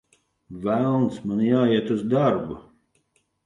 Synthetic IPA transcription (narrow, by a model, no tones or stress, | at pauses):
vælˠnsmanjaːiɛt̪uzd̪aɾbu